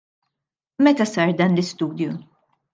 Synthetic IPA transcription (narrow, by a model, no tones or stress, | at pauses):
mɛt̪ɐsɐːɾd̪ɐːnlɪst̪uːd̪ju